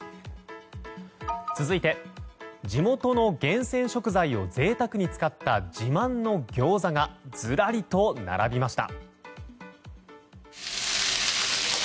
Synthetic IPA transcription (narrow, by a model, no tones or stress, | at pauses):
t͡sɨzɨit̪e̞ | d͡ʑimo̞t̪o̞no̞ɡẽ̞ɰ̃sẽ̞ɰ̃ɕo̞kɯ̟zaio̞d͡ze̞ːt̪akɯ̟ɲ̟it͡sɨ̥kat̪ːad͡ʑimãnːo̞ɡʲo̞ːzaŋad͡z̥ɨɾaɾʲit̪o̞na̰ɾa̰bʲimaɕi̥t̪a̰